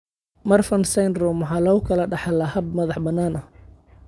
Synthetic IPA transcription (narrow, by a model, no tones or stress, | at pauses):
mɐrfɐnsɛjnrɔmwɑħɑːlɔːʊkʰɐlɐɖɑħɑlɐhɐb̚mɐðɑħbɐnːaːnɐh